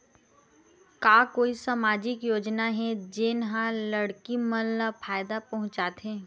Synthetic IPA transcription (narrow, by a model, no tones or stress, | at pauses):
kaːkoːisamaːd͡ʒɪkjoːd͡ʒnaɦɛd͡ʒɪnɦãlɐɽkimɐlːafʰaːjd̪apɐɦʊ̃t͡ʃaːt̪ɦɛ̃ː